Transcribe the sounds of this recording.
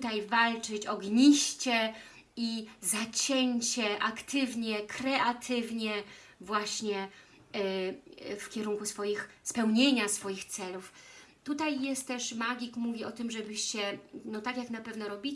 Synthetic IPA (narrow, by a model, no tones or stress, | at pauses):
t̪ajvalt͡ʂɘt͡ɕɔɡɲiɕt͡ɕɛ | izat͡ɕɛɲt͡ɕɛʔakt̪ʰɘvɲɛkɾɛʔat̪ʰɘvɲɛ | vwaɕɲɛ | fkʲɛɾuŋkusfɔjixspɛwɲeɲasfɔjixt̪sɛluf | t̪ut̪ajːɛst̪ːɛʂmaɡʲikmuvʲiɔt̪ɘmʐɛbɘɕɕɛnɔt̪akʲjaknapɛvnɔɾɔbʲi